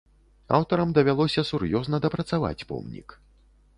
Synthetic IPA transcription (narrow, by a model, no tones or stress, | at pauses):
a̰wt̪ɐɾɐmd̪ɐvʲalˠɔsʲɐsurjɔznɐd̪ɐpɾɐt̪sava̰t͡sʲpɔ̰mnʲḭk